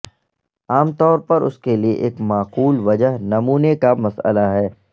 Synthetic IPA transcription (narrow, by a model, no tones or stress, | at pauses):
aːmt̪ɔːɾpɐɾʊ̰skeliḛʔeːkmaːquːlʋɐd͡ʒəɦnɐmuːnekamɐsə̰laɦɛː